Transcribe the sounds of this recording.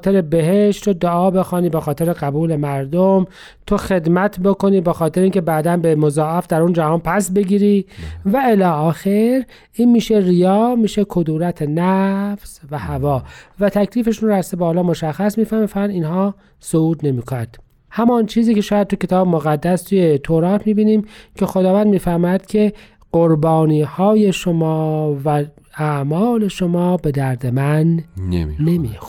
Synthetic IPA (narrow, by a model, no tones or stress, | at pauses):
t̪ʰeɾebe̞ɦeʃt̪ɾod̪oɒːbe̞xɑːniːbexɒːt̪ʰe̞ɾeɣæbuːle̞mæɾd̪om | t̪ʰoxe̞d̪mæt̪ʰbokʰo̞niːbexɒːt̪ʰeɾeiŋcʰebæːd̪ænbemozɒːʔæfd̪æɾund͡ʒæhɒːnpʰæsbe̞ɡiːɾiːvæelɒːɒːxeɾ | ʔiːnmiːʃerijɒːmiːʃekʰod̪uːɾæt̪ʰenæfsvæhævɒːvæt̪ʰækliːfeʃunɾæsebɒːlɒːmoʃæxːæsmiːfæɾmifænd̪iːnhɒː | souːd̪ne̞miːkʰonænd̪̥ | hæmɒnt͡ʃʰiːziːcʰe̞ʃɒːjæd̪̚t̪ʰucʰe̞t̪ʰɒːbemoɣæd̪ːæst̪ʰuːjet̪ʰoɾɑːt̪ʰmiːbiːniːmcʰe̞xod̪ɒːvænd̪miːfæɾmːæd̪̥cʰe̞ | ɢ̥oɾbɒːniːhɒːje̞ʃomɒːvææʔmɒːle̞ʃomɒːbe̞d̪æɾd̪e̞mæn̰ː | emḭːxo